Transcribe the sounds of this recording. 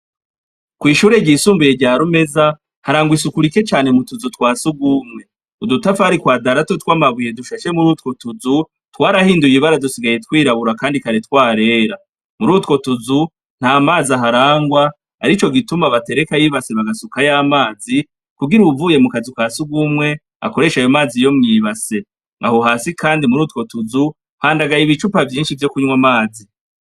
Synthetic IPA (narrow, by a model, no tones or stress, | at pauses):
kwiːʃuːɾe̞ɟiːsuːmbuje̞ɾɟaːɾume̞za | haɾaːŋɡwisukuɾike̞t͡ʃaːne̞mutuzutwaːsuɡuːmŋe̞ | udutafahaɾikwaːdaɾatotwaːmaβuje̞duʃaʃe̞muɾuːtko̞tuzu | twaːɾahiːndujiβaɾadusiɡaje̞tkwiːɾaβuɾakaːndikaɾetkwaːɾe̞ːɾa | muɾuːtko̞tuzu | n̥haːmaːziaɦaɾaːŋɡwa | aɾit͡ʃo̞ɡitumaβate̞ɾekajiβase̞βaɡasukajaːmaːzi | kuɡiɾuvuːje̞mukazikaːsuɡumwe̞ | a̰ko̞ɾe̞ːʃajomaːzijo̞mɲiːβase̞ | ŋa̰hoɦaːsikʰaːndimuɾuːtko̞tuzu | haːndaɡajiβit͡ʃupavjiːnʃivjo̞kuɲwamaːzi